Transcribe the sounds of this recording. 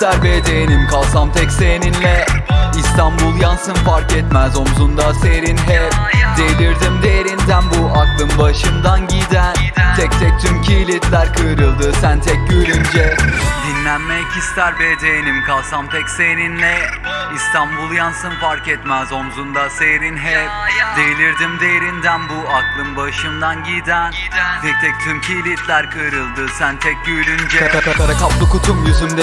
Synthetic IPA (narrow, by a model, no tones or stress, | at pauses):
st̪ʰæɾbed̪ejenimkʰalˠsamt̪ʰɛcsejninlʲɛist̪ʰanbulˠjansɯnfaɾkɛt̪mæzo̞mzund̪aseɾinɦɛd̪elʲiɾd̪imd̪e̞jeɾind̪ænbuʔak̪lˠɯmbaʃɯmd̪anɟid̪ænt̪ʰɛc̚t̪ʰɛc̚t̪ʰymcʰiːlʲit̪lʲæɾkʰɯːɾɯlˠd̪ɯsænt̪ʰɛc̚ɟøɾynd͡ʒɛd̪inlʲænmɛjcʰist̪ʰæɾvɛd̪ejenimkʰalˠsamt̪ʰɛcsejninlʲɛist̪ʰanbulˠjansɯnfaɾkɛt̪mæzo̞mzund̪asejɾinɦɛp̚d̪ejlʲiɾd̪imd̪ejeɾind̪ænbuaklˠɯnbaʃɯnd̪anɟid̪æn | t̪ʰɛc̚t̪ʰɛk̚t̪ʰymcʰiːlʲit̪ʰlʲæɾkʰɯːɾɯlˠd̪ɯsænt̪ʰɛc̚ɟyːɾynd͡ʒɛap̪ʰapap̪ʰaɾakaplˠɯkut̪ʰumjyzymd̪e